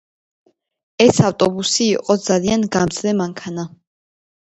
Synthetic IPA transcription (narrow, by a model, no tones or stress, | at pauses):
ɛsaft̪ʼɔbusiːqʼɔd̪zalianɡamzlɛmaŋkʰana